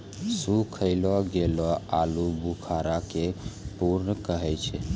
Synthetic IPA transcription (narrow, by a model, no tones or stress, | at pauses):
sukʰəɪlɔɡelɔalubukʰaɾakepuɾnəkəɦɛt͡ʃʰɛ